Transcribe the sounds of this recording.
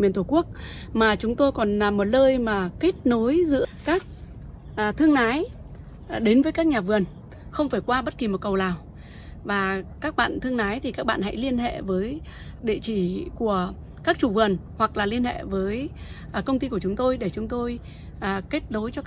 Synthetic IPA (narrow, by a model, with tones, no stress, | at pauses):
mi˨˩ənt̪ʰu˧˩ku˦˥ək̚maː˨˩t͡ɕʊ˨˦ŋ͡mt̪o˧jkɔ˨˩na˨˩mːo˨˩t̚ləː˧jmaː˨˩ke˦˥t̚no˨˦jzɨ̰˧˥əkaː˦˥k̚ | ʔt̪ʰɨ˧əŋnaː˨˦j | ɗe˨˦nvəː˨˦kaː˦˥k̚ɲaː˨˩vɨ˨˩ən | xə˧wŋ͡mfaː˧˩jkwaː˧ɓə˦˥t̚ki˨˩mo˨˩t̚kə˨˩wlaː˨˩w | vaː˨˩kaː˦˥k̚ɓa̰ː˧˨nt̪ʰɨ˧əŋnaː˨˦jt̪ʰi˨˩kaː˦˥k̚ɓa̰ː˧˨nɦa̰˧˥jli˧ənɦḛ˧˨vəː˨˦j | ɗḛ˧˨t͡ɕi˧˩ku˧˩ə | kaː˦˥k̚t͡ɕu˧˩vɨ˨˩ən | hwa˨˩k̚laː˨˩li˧ənhḛ˧˨vəː˨˦j | kə˧wŋ͡mt̪i˧ku˧˩ət͡ɕʊ˨˦ŋ͡mt̪o˧jɗe˧˩t͡ɕʊ˨˦ŋ͡mt̪o˧j | ʔke˦˥t̚no˨˦jt͡ɕɔ˧